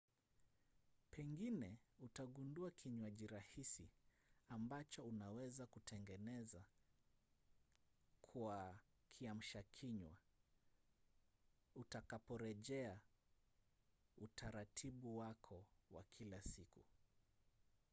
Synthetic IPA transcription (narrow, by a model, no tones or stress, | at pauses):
pʰɛŋɡinɛutaɠunduakʰiɲwaʄiɾahisi | ambat͡ʃɔunawɛzakutʰɛŋɡɛnɛza | kʰua | kʰiam̩ʃakʰiɲwa | utakapɔɾɛʄɛa | utʰaɾatʰiɓuwakʰɔwa̰kʰilasiku